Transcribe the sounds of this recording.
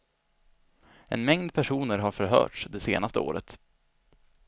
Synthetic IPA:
ʔɛ̰nmɛŋd̪pʰæʂuːnəɾɦaɾfœɾɦœ̰ːʈʂd̪ɛsḛːnast̪əo̰ːɾə̰t̪

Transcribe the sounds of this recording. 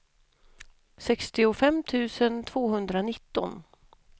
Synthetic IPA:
sɛkst̪ɪʊfɛmːt̪ʰʉ̟ːsənt̪ʰvoːɦɵnd̪ɾanɪt̪ːɔ̰n

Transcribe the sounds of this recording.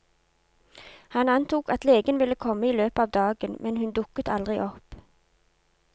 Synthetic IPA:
hɑnɑnt̪uːkɑt̪leːɡənʋɪləkʰɔməiːløːpɑːʋd̪ɑːɡənmɛnhʉnd̪ʊkət̪ɑld̪ʁɪʔɔp

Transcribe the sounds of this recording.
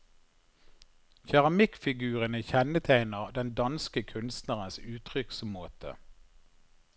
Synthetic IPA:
çæʁɑmɪkfɪɡʉːʁənəçɛnət̪ʰæɪnəʁd̪ɛnd̪ɑnskəkʰʉnst̪næʁənsʉːt̪ʰʁʏksmoːt̪ʰə̰

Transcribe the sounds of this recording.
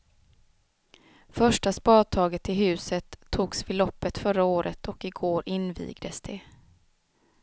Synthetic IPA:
fœʂʈaspɑːt̪ʰɑːɡət̪ɪɦʉ̟ːsət̪ʰːuːɡsvɪlɔpːət̪fœɾaoːɾʔət̪ʰɔkɪɡoːɾɪnvḭːɡd̪əsd̪ɛ

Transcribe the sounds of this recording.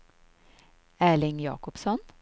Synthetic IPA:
æːɭɪŋjɑ̰ːkɔpsɔn

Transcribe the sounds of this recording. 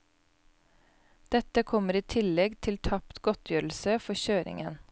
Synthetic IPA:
d̪̥ɛt̪əkʰɔməɾiːt̪ʰɪlɛɡt̪ʰɪlt̪ʰɑpt̪ɡɔt̪ʰjøːɾl̩səfɔçøːɾɪ̰ŋə̰n

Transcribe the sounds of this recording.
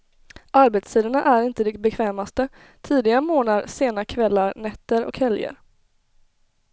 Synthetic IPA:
ʔaɾbet̪st̪ʰiːd̪əɳaʔæɾɪnt̪əd̪ɛbɛkʰvɛːmast̪ə | t̪ʰiːd̪ɪɡamoːnaɾseːnakʰvɛlːaɾnɛt̪ːəɾɔ̰khɛljə̰ɾ

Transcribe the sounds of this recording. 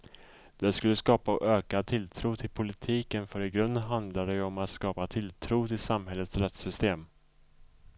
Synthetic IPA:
d̪̥ɛskɵlːəskɑːpaʔøːkat̪ʰɪlt̪ʰɾuːt̪ʰɪlpʰʊlɪt̪ʰiːkənfœɾɪɡɾɵnd̪ɦand̪lad̪ɛjɔmat̪skɑːpat̪ʰɪlt̪ʰɾuːt̪ʰɪlsamhɦɛlːət̪sɾɛt̪sʏst̪eːm

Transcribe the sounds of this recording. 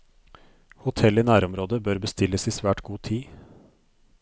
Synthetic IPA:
hʊt̪ʰɛlɪnæːɾɔmɾoːd̪əbøːɾbəst̪ɪlːəsiːsʋæːʈɡuːt̪ʰiː

